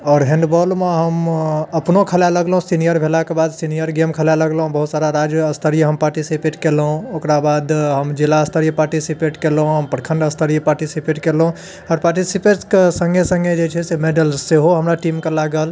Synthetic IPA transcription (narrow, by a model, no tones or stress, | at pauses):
ɔːɾɦẽɳɖbɔlmeɦəməpnokʰəljaləɡləɦũsinijəɾbʱelakebad̪sinijəɾɡemkʰəljaləɡləɦũbəɦut̪saɾaɾad͡ʒəst̪ʰəɾijɦəmpaɾʈisipeʈkelɦũokɾabad̪ɦəmd͡ʒilaəst̪ʰəɾijpaɾʈisipeʈkelɦũɦəmpəɽkʰəɳɖəst̪ʰəɾijpaɾʈisipeʈkelɦũ | ɔːɾpaɾʈisipeʈskesəŋɡesə̃ŋɡed͡ʒet͡ʃʰɛsemeɖəlseɦoɦəmɾaʈimkelaɡəl